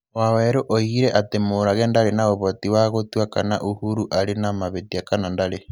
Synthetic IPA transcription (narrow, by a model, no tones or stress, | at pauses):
wawɛɾoʔoiɣiɾɛʔatemoɾaɣɛndaɾenaoβotiwaɣotwakana̰ʔuhuɾuʔaɾenamaβetiakanandaɾe